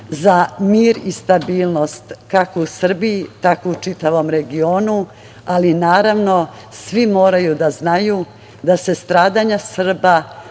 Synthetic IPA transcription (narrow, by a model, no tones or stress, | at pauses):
zamiːɾist̪abiːlˠno̞st̪kakousr̩biit̪akout͡ʂit̪aʋo̞mɾe̞ɡio̞ːnu | alinaːɾaʋno̞ | sʋimo̞ːɾajud̪aznaju | d̪ase̞st̪ɾaːd̪aɲasr̩ba